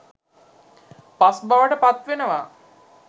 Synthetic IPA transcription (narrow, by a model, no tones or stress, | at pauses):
pasbaʋəʈəpat̪ʋenəʋaː